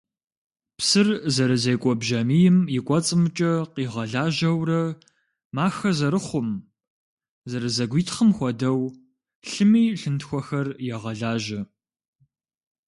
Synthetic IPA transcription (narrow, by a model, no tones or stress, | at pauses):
psɨrzɐɾɨzejkʷʼɔbʒɐmijɪmjɪkʷʼɔt͡sʼɨmt͡ʃʼɐqiːʁɐɮaːʒɐwrɐ | maːxɐzɐɾɨχʷʊm | zɐɾɨzɐɡʷiːtʰχəmxʷɔdɐw | ɬɨmiːɬɨntxʷɔxɐrjɛʁɐɮaːʒɐ